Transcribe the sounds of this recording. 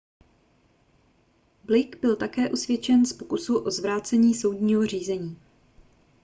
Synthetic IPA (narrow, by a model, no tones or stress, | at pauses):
blɪkbɪlt̪akɛːʔusvjɛt͡ʃɛnspokusuʔo̞zvɾaːt͡sɛɲiːso̞wdɲiːɦo̞r̝iːzɛɲiː